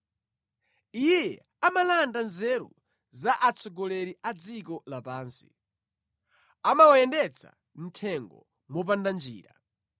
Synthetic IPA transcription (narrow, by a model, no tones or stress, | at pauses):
ijɛ | amalandanzɛɾṵ | zaʔat͡sʰɔɡɔlɛɾiʔad͡zikɔlapaːnsi̥̰ | amawajɛndɛt͡sʰa̰ | n̩tʰɛŋɡɔ̰ | mɔp̬andand͡ʒiːɾa